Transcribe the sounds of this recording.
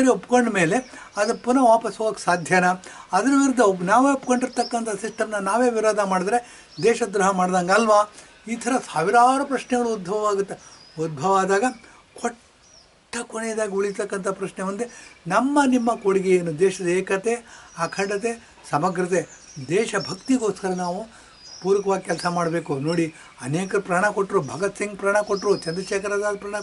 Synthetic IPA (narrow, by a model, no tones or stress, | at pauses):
ɐɾiopːkoɳɖme̞ːle̞ɐd̪ɐpunɐʋaːpɐsoːɡɐkːsaːd̪ʱjɐnɐɐd̪ɐɾɐʋiɾud̪ːɐnaːʋeːupːkoɳɖiɾt̪ɐkːɐnt̪ʰɐsiʂʈɐmnɐnaːʋeːʋiɾoːd̪ʱɐmaːɽid̪ɾe | d̪ɛːʃɐd̪ɾuɦɐmaːɖd̪aːŋɡɐlʋaː | iːt̪ʰɐɾɐsaːʋiɾaːɾɐpɾɐʂnɛɡɐɭuud̪̚bʱɐʋɐʋaːɡut̪ːe | ud̪̚bʱɐʋaːd̪aːɡɐ | kʰɔʈː | ɐkoɳeːd̪aːɡiuɭist̪ɐkːɐnt̪ʰɐpɾɐʃɳemund̪enɐmːɐnimːɐkoɽiɡejeːnud̪ɛːʃɐd̪ɐeːkɐt̪eɐkʰɐɳɖɐt̪e | sɐmɐɡɾɐt̪̬e | d̪ɛːʃɐbʱɐkt̪iɡo̞ːskɐɾɐnaːʋu | puːɾʋɐkɐʋaːɡikʲɛlsɐmaːɽbe̞ːkunoːɽi | ɐneːkɐɾupɾaːɳɐkoʈːɾubʱɐɡɐt̪siŋɡ̚pɾaːɳɐkoʈːɾut͡ʃɐnd̪ɾɐʃeːkɐɾaːd̪aːd̪ɐpɾaːɳɐ